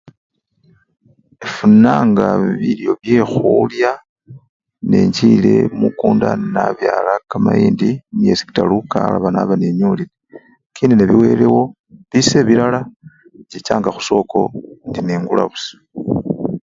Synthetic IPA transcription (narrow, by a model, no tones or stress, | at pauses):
efunaːŋɡaβiljo̞βje̞xulja | nḛɲcile̞mukuːndanaβjaːlakamajiːndinijesi̥ki̥talukala̰βanaβaneɲulile | kiːndineβiwe̞lewo̞ | βise̞βilala | ɟicaːŋɡaxu̥so̞ːko̞ndineːŋɡula̰βusḁ